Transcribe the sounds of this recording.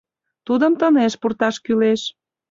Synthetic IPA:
t̪ud̪əmt̪əneʃpurt̪ɑʃkyleʃ

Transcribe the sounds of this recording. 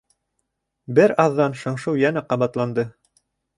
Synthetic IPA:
bɘɾɑðːɑnʃɤ̆ɴʃɤwjænæqɑβɑt̪lˠɑnd̪ɤ

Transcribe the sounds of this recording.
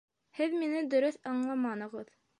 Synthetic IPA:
hɘðminɘd̪ɵ̆ɾɵθɑɴlˠɑmɑnɤ̆ʁɤð

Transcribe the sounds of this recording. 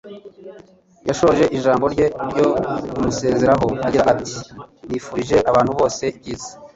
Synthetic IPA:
jaʃo̞oʒe̞ʔiʒaːmbo̞ɾɟe̞ɾɟo̞umuse̞ːze̞ɾaɦo̞aɟiɾaʔati̥niːfuɾiʒe̞ʔaβaːn̥huβo̞ːse̞bɟiːzḁ

